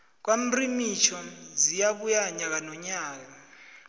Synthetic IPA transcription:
k̬wam̩rimit͡ʃʰɔzijak̬ujaɲak̬anɔɲaːk̬a

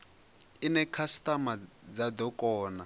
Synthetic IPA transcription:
inɛkʰastamad͡zad̪ɔkʼɔːna

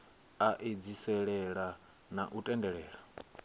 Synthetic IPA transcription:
aʔed͡zisɛɺɛɺa | naʔutʼɛndɛɺɛːɺa

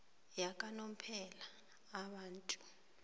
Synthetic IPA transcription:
jakʼanom̩pʰɛlaː | ɓaːntʼu̥

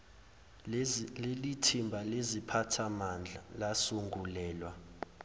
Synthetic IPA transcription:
lelitʰimbʱalezipʰatʰamand͡ɮʱalasuŋɡulɛːlwa

